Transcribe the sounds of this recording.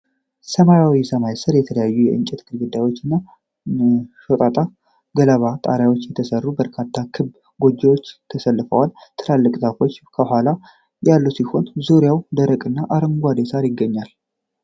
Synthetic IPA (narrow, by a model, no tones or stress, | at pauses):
səmajawisəmajsəɾjɛt̪ʰələjajːujɛʔɨ̰nt͡ʃʼɛt̪ɡɨlɡɨd̪ajwo̞t͡ʃːɪnːa | ʃot̪ʼat̪ʼa | ɡələβat̪ʼa̰ɾjawo̞t͡ʃːjɛt̪ʰəsərːubəɾkʰat̪ʰːat̪kʰɨβ | ɡo̞d͡ʒewo̞t͡ʃːt̪ʰəsəlːɨfəwalt̪ʰɨlalːəkʼzafo̞t͡ʃːkʰəhala | jalːusiho̞nzoɾjawd̪əɾəkʼɨnːaʔaɾəŋɡʷad̪esaɾjɪɡːəɲːal